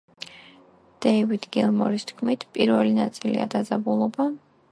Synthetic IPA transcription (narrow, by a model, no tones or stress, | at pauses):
d̪̥ɛivid̪ɡɛlˠmɔɾist̪ʰkʰmit̪ʰpʼiɾvɛlinat̪sʼilḭa̰d̪ad̪zabulˠɔba